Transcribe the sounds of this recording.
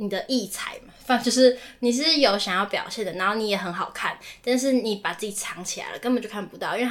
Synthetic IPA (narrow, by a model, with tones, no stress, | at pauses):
ni˨˩d̪ə˦ʔi˥˩t͡sʰa̰˨˩˦ɪma˨fɑ˥˧t͡ɕjo˥˧ʊʂɻ̩˥˩ni˨˩ʂ̬ɻ̩˥˩jo˧˥ʊɕjɑ˨˩ŋjɑ˥˩ʊpjɑ˨˩ʊɕjɛ˥˩nd̪ə˩na˧˥˦xo˥˩ʊni˧˥jɛ˨˩xə˧˥nxɑ˨˩ʊkʰa˥˩nt̪a˥˧nʂ̬ɻ̩˥˩ni˨˥pa˨˩t͡sɹ̩˥˩t͡ɕi˨˩t͡sʰɑ˧˦ŋt͡ɕʰi˨la̰˧˦lə̰˦kə˧˥npə˨˩t͡ɕjo˥˧˩a˥˩n˨˩pu˧t̪ɑ˥˨ʊi˥nw